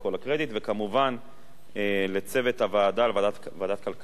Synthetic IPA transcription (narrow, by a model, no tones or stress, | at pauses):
ko̞lakʁe̞d̪it̪vekamuvan | ele̞t͡se̞ve̞t̪havaːd̪alvaa | vad̪at̪̚kalk